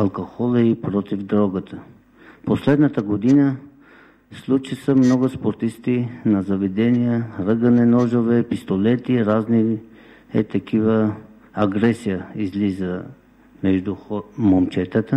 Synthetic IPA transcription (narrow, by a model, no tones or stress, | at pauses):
ɐlˠkoxɔlˠəipɾɔt̪ifd̪ɾɔɡət̪ʰə | poslɛd̪nət̪əɡod̪inə | slˠut͡ʃisəmnɔɡospoɾt̪ist̪inɐzɐvɛd̪ɛnijəɾəɡənɛnɔʒovɛpist̪olɛt̪iɾazni | ɛ̰t̪ɐkivə | ɐɡɾɛsijəizlizə | mɛʒd̪uxmomt͡ʃɛt̪ət̪ə